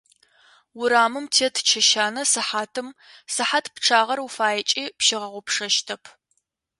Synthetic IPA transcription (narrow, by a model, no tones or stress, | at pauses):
wʊɾaːmɨmtʰeɛtʰt͡ʃʰɐʃaːnɐsɨħaːtʰɨm | sɨħatʰpʈ͡ʂʰaːʁɐrufaːjɐt͡ʃʼiːpʃɪʁɐʁʷʊpʂɐʃtʰɐpʰ